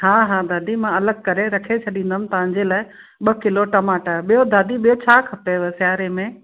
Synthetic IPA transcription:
ɦaːɦaːd̪aːd̪ʱimãɐləɡ̚kɐɾeɾɐkʰet͡ɕʰɐɗĩːnd̪əmt̪ɐʋ̤ãɲ̆d͡ʑeːlaːɪ | ɓɐkɪloʈɐmaːʈaɓijod̪aːd̪ʱiɓijot͡ɕʰaːkʰɐpeʋesɪjaːɾemẽ

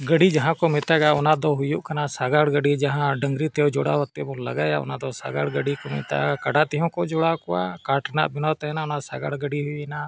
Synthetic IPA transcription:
ɡəɖid͡ʒaɦãkɔmɛt̪aɡaɔnad̪ɔɦujuʔkanasaɡaɽɡəɖid͡ʒaɦãɖəŋɡɾit̪ɛjɔd͡ʒɔɽa̰wat̪ːɛbɔ̃la̰ɡajaʔɔ̰nad̪ɔsa̰ɡaɽɡəɖikɔmɛ̰t̪a̰ɡakaɖat̪ɛɦɔ̃kɔʔd͡ʒɔɽakɔwa̰kaʈna̰ʔbinawt̪ɛɛnaɔnasaɡaɽɡəɖiɦujɛna

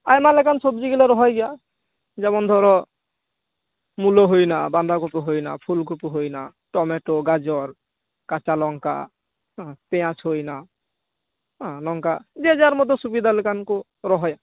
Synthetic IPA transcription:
ajmalɛkansobd͡ʒiɡileɾɔɦɔjɡɛja | d͡ʒɛbɔnd̪ʱɔɾɔ | muloɦojnaband̪ʱakupuɦojna̰pʰulkupuɦojna | ʈɔmeʈoɡad͡ʒɔɾ | kat͡ʃalɔŋka̰ | ɔ̃peãsɦojna | ɔ̃lɔŋkad͡ʒed͡ʒaɾmɔd̪ʱɔsubid̪ʱalekanko | ɾɔɦɔja

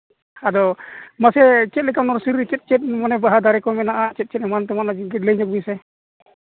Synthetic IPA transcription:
ad̪ɔmasɛt͡ʃɛt̪̚lɛkanɔɾsuɾit͡ʃɛt̪̚t͡ʃɛt̪̚ˀmɔnɛbaɦad̪aɾɛkɔmɛnaʔat͡ʃɛt̪̚t͡ʃɛt̪̚ɛmant̪ɛmanad͡ʒiɡɛtlɛɲɔk̚bisɛ

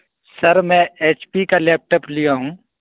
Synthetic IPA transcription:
sɐɾmɛ̃eːt͡ʃpikaleːp̚ʈəːplijaɦũː

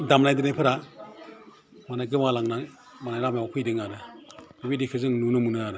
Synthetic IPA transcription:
damnajdɯnajpʰɯɾa | manajɡɯmalaŋnaŋ | manajɾamjawakʰujdɯŋaɾɯbibidikʰɯzɯŋnunɯmunɯaɾɯ

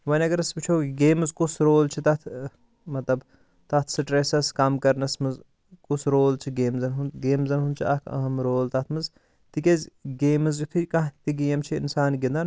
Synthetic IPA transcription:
ʋɐnʲɐɡɐɾɐsbit͡ʃʰoɡeːmɨzkusɾoːlt͡ʃʰit̪ɐt̪ʰ | mɐt̪lɐb | t̪ɐt̪ʰsɨʈɾesɐskɐmkɐɾnɐsmɨz | kusɾoːlt͡ʃʰiɡeːmzɐnɦunɡeːmzɐnɦund̪t͡ʃʰiɐkʰɐ̰ɦɐmɾoːlt̪ɐt̪ʰmɨz | t̪ikʲezʲɡeːmɨzut̪ʰikɐ̃ɦt̪iɡijɐmt͡ʃʰiḭnsaːnɡind̪ɐn

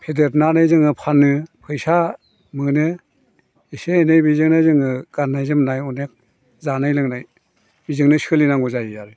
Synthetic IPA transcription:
pʰedetnanɯjzɯŋɯpʰanːɯpʰɯjsa | mɯnɯ | iseenejbizɯŋnajzɯŋɯɡ̥anːajzɯmnajɔnek̚ | zanajlɯŋnaj | bizɯŋnɯsɯlinaŋɡɔzajijaɾɯ

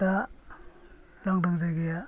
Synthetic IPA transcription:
a | laŋdaŋzajɡeja

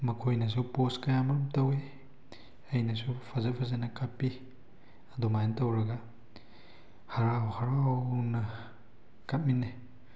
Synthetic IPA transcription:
mɐkʰojnɐs̬uposkajamɐɾɔmtɐwe | ɐjnasupʰazapʰazanɐkʰapːi | adumajntɐwɾɐɡa | haɾawhaɾanɐ | kat̚minːe

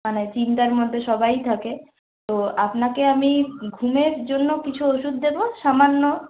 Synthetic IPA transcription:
manet͡ɕint̪aɾmod̪ʱːeʃɔbajt̪ʰake | t̪oapnakeamiɡʱumeɾd͡ʑonːokit͡ɕʰuoʃud̪d̪eboʃamanːo

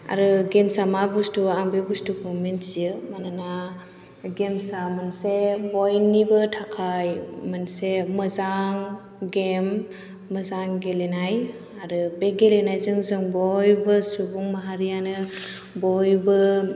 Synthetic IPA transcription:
a̰ɾɯɡemsamabustuambebustukʰomensijɯmanana | ɡemsamansebɔjnibɯtʰakʰajmansemɯzaŋ | ɡemː | əzaŋɡelenaj | aɾɯbeɡelenajzɯŋzɯŋbɔjbɯsubuŋmaɦaɾijanɯ | bɔjbɯ

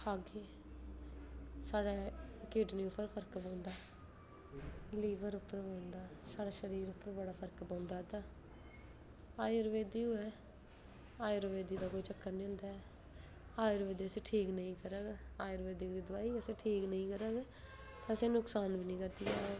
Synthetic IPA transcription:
haːɡeː | saːɽaːkɪʈnĩːʊpːəɾpʰəɾkbãːnd̪aː | liːʋəɾʊpːəɾbãːnd̪aːsaːɽaːʃəɾiːɾʊpːəɾbəɽaːpʰəɾkbãːnd̪aːt̪aː | aːiɾʋeːd̪iːuːɛː | aːjɾəʋeːd̪iːd̪aːkoːiːt͡ʃəkːəɾnĩːɦʊ̃nd̪aːɛ | aːjɾʋeːd̪iːəsẽːʈʰiːknəĩːkəɾəːɡaːjɾʋeːd̪iːkd̪iːd̪ʊʋaːiːəseːʈʰiːknəĩːkəɾəːɡ | t̪ãəsẽːnʊksaːnbiːnĩːkəɾd̪iːaː

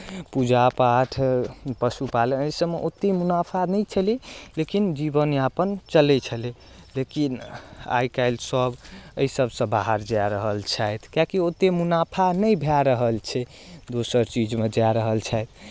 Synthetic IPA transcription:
pud͡ʒapaʈʰpəsupaleəjsəmeʔot̪ːemunapʰanəjt͡ʃʰəlilekind͡ʒibənapənt͡ʃəlɛt͡ʃʰəli | lekina̰jkaɪlsəbəisəbsə̃baɦəɾd͡ʒaɾəɦəlt͡ʃʰajt̪ʰkjakiot̪emunapʰanəjbʱaɾəɦəlt͡ʃʰɛ | d̪osəɾt͡ʃid͡ʒmed͡ʒaɾəɦəlt͡ʃʰajt̪ʰ

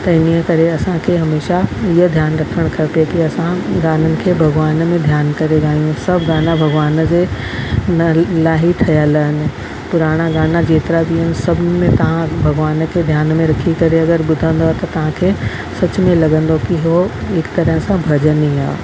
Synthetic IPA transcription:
t̪ɐɪniəkɐɾeɐsãkʰeːɦɐmeːʃaɪɦəd̪ʱjaːnɾɐkʰəɽ̃kʰɐpijekiɐsãɡaːnənɪ̆kʰeːbʱɐɡʋaːnmẽd̪ʱjaːnkɐɾeɡaːjũsɐbʱɡaːnabʱɐɡʋaːnd͡ʑeː | nɐlaːɦit̪ʰɐjələɦɪnɪ̆ | pʊɾaːɽ̃aɡaːnad͡ʑeːt̪ɪɾabiɦənɪ̆sɐbʱmẽt̪ɐʋ̤ãbʱɐɡʋaːnkʰed̪ʱjaːnmẽɾɐkʰikɐɾeɐɡəɾbʊd̪ʱə̃nd̪ot̪ɐt̪ɐʋ̤ãkʰeː | sɐt͡ɕmẽlɐɡə̃nd̪okiɦoɦɪkt̪ɐɾəɦə̃sãbʱɐd͡ʑəniaː

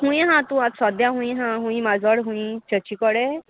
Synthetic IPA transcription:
ɦũĩɦãt̪uãt̪sɔd̪jaɦũĩɦãɦũĩmazɔɽɦũĩt͡ʃət͡ʃikɔɽe

